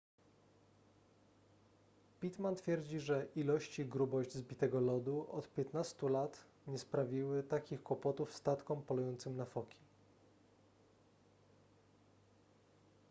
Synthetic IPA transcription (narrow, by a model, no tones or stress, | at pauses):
pʲit̪mant̪fʲjɛɾd͡ʑiʐɛʔilɔɕt͡ɕiɡɾubɔʑd͡ʑzbʲit̪ɛɡɔlɔd̪uʔɔt̪pʲjɛt̪nast̪ulat̪ | ɲɛspɾavʲiwɘt̪akʲixkwɔpɔt̪ufst̪at̪kɔmpɔlujɔnt̪sɘmnafɔkʲi̥